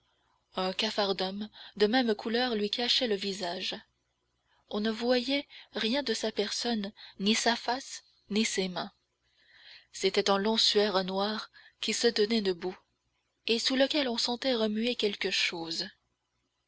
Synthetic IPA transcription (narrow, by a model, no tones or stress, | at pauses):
ɛ̃kafaʁd̪ɔmd̪əmɛmkʰulœʁlɥikaʃɛləvizaʒ | ɔ̃nəvwajɛʁjɛ̃d̪əsapɛʁsɔnːisafas | nisemɛ̃ | set̪ɛt̪ɛ̃lɔ̃syɛʁnwaʁkʲisət̪ənɛd̪əbu | esuləkʲɛlɔ̃sɑ̃t̪ɛʁəmyekʲɛlkəʃoːz